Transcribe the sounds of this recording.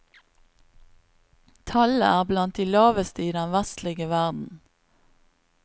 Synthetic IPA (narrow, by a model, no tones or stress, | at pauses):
t̪ʰɑləæːʁblɑnt̪̚d̪iːlɑːʋəst̪əiːd̪ɛnʋæst̪lɪɡəʋæʁd̪n̩